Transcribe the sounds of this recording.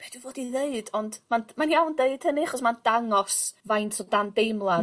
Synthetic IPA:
b̥eːd̥wivoːdiðeɨdɔndmanmanjawndeɨd̥həniaχɔsmand̥aŋɔsvajntʰɔdandejmlˠa

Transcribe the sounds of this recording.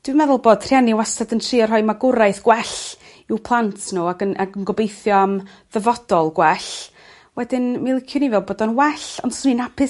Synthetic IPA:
d̥wimɛðʊlˠboːd̥ʰr̥janiwastadəntʰriːɔr̥ɦɔɨmaɡʊɾajθɡ̥wɛɬ | iwpʰlˠantʰnuːaɡənaɡənɡɔbejθjɔam | ðəvɔd̥ɔlˠɡwɛɬ | wɛdɪnmailˠɪkʰjʊnivɛlˠboːdɔnwɛɬɔ̰nsuninapʰɪ

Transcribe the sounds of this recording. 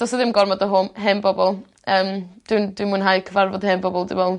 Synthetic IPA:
d̥ɔsɔðɪmɡɔrmɔdəɦʊnɦɛnbɔbɔlˠ | əːmd̥wɪndwimunɦajkʰəvarvɔdhɛnbɔbɔlˠdɪ̰mɛlˠ

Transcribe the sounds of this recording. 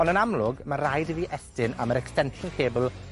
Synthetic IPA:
ɔndənamlˠʊɡmaɾajdviʔɛstɪnaməɾɛkstɛntʊnkʰeːblˠ

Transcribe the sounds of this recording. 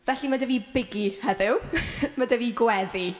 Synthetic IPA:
vɛɬimadəviːbɪɡihɛðɪwmadəviːɡwɛði

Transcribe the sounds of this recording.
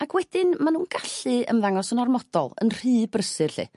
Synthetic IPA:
akʰwɛd̥ɪnmanuːnɡaɬɨə̰nðaŋɔsənɔrmɔd̥ɔ̰lˠə̰nr̥ɨːbrəsɨrɬɨ̰

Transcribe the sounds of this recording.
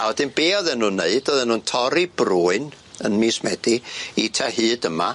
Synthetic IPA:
awɛdɪnbeːɔðɛnuːnːeɨdɔðɛnːuːntʰɔɾib̥ruːɨn | ə̰nmiːsmɛd̥iitʰahɨːdəma

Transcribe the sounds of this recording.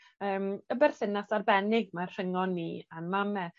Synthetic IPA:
əːməbɛrθɪnasarbɛnɪɡ̚marr̥əŋɔnːiːanmamɛ

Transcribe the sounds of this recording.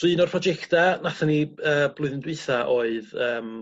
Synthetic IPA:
ɨnɔrpʰrɔd͡ʒɛktanaθaniəːblˠʊɨðndwɨθaʔoːɨðəːm

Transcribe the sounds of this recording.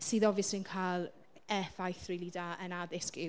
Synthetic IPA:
siːðɔvɨsɪnkʰaːlˠ | ɛfajθrɪlˠiːdaənaðɪskɪ

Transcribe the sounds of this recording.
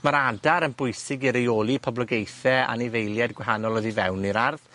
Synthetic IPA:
maɾadaɾənbʊjsɪɡiɾejoːlˠipʰɔblɔɡejθɛa̰nivejlˠjɛdɡwɛɦanɔlˠɔðivɛwniɾarð

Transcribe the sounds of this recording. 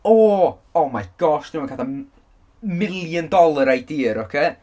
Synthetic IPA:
ɔː | ɔmaɡ̥ɔstnuməkada | mɪlˠjəndɔlˠaɾajdiːɾɔkʰeː

